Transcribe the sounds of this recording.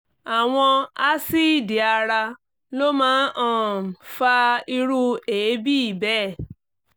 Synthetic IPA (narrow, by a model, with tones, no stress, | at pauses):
a˨w̃ɔ̃˧a˦si˦˨di˨a˧ɾa˧ | lo˦mãː˦ʔɔ̃˦˨fa˧i˧ɾu˦eː˨˦bi˦i˦˨bɛː˦˨